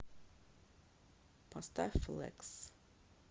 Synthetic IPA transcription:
pʰast̪aflɛ̰ks

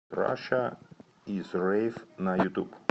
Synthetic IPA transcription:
ɾa̰ʃɐ | izɾɛjfnɐjʊt̪ṵb

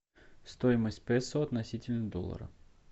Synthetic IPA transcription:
st̪ojɪməsʲtʲpɛsoɐt̪nɐsʲitʲɪlʲnəd̪o̰lˠːə̰ɾə̰

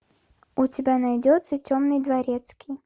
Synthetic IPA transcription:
ʊtʲɪbʲanɐjdʲot̪sətʲomnɨjd̪vɐɾʲet̪skʲʰij

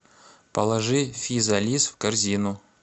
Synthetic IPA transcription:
pɐlˠɐʐɨfʲizɐlʲisfkɐrzʲinʊ

